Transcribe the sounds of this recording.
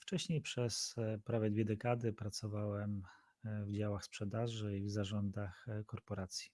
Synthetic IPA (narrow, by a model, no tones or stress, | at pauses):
ft͡ʂɛɕɲejpʂɛspɾavɛd̪vʲɛd̪ɛkad̪ɘpɾat̪sɔvawɛm | vd͡ʑawaxspʂɛd̪aʐɘivzaʐɔnd̪axkɔɾpɔɾat̪sʲji̥